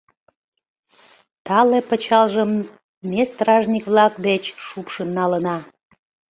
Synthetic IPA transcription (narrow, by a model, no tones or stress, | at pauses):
t̪ɑlepət͡ɕɑlʒəmːʲ | est̪rɑʒnʲikβlɑkd̪et͡ɕʃupʃənːɑlənɑ